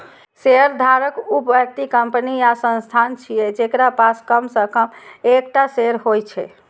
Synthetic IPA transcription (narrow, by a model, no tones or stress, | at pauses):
seɾd̪ʱaɾəkupbək̚t̪ikəmpəniasə̃nst̪ʰant͡ʃʰijɛd͡ʒekɾapaskəmsəkəmekʈaseɾɦojt͡ʃʰɛ̰